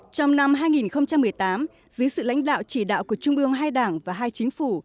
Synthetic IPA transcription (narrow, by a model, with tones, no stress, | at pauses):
t͡ɕɔ˧wŋ͡mna˧mɦaː˧jŋi˨˩nxə˧wŋ͡mt͡ɕa˧mːɨ˨˩əjt̪aː˨˦m | zɨ˨˦jsɨ̰˧˨la̰˧˥jŋ̟ɗa̰ː˧˨wt͡ɕi˧˩ɗa̰ː˧˨wku˧˩ət͡ɕʊ˧ŋ͡mʔɨ˧əŋɦaː˧jɗaː˧˩ŋvaː˨˩ɦaː˧jt͡ɕï˨˦ŋ̟fu˧˩